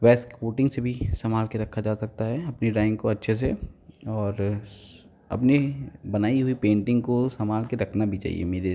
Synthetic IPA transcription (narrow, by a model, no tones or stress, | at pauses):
ʋɛːskkoːʈɪ̃ŋɡsebʱisɐmaːlkeɾɐkʰːad͡ʒaːsɐk̚t̪aɦɛɐpniɖãːɪ̃ŋɡkoɐtːʃʰes̬eɔːɾ | ɐ̰pnebɐnaːiɦʊipẽːɳʈɪ̃ŋɡkosɐmaːlkeɾɐkʰnabʱit͡ʃa̰ːɦḭḛmeːɾe